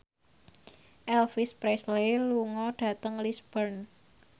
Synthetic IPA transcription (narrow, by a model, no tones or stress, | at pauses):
ʔɛlfispɾɛsleluŋɔɖ̥ä̤t̪əŋlisb̥ərn